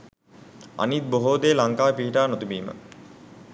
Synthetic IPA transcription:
a̰nit̪̚boɦoːd̪eːlaŋkaːpiɦiʈaːnot̪ubiːmə̰

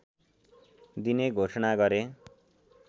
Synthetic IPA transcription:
d̪ineɡʱosʌnaɡʌɾe

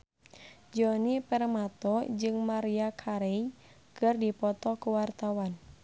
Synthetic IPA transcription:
d͡ʒɔnipɛrmat̪ɔd͡ʒɨŋmaɾiakʰaɾɛi | kɨrdipɔt̪ɔkuwart̪awan

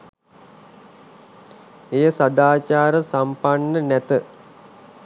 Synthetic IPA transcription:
ejəsad̪aːt͡ʃaːɾəsampanːənæt̪ə

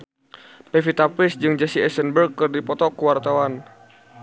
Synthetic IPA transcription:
pɛfit̪apɪsd͡ʒɨŋd͡ʒɛsiɛsənbərɡ̚kɨrdipɔt̪ɔkəwart̪awan

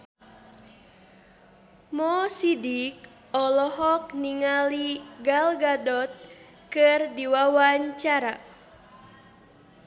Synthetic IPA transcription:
mɔsidik̚ | ɔlɔɦɔk̚niŋaliɡalɡadɔt̪̚ | kɨrdiwawaɲt͡ʃaɾa

